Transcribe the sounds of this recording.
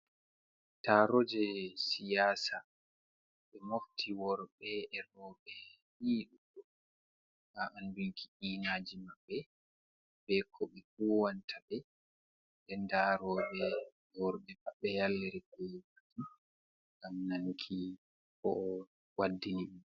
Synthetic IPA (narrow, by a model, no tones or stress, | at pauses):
taɾɔd͡ʒɛsijaːsa | ɓɛmoftʰiwɔɾɓɛɛɾɔːɓɛ | hiɗuɗɔ | haʔanduŋkʰiʔiːnaːd͡ʒimaɓːɛ | bɛkʰɔɓɛfuːwantʰaɓɛ | ɓɛndaːɾɔɓɛ | wɔɾɓɛmaɓːɛjalːɛɾɛkɔjkutʰi | ɡamnankʰi | kɔ | wadːiniɓɛ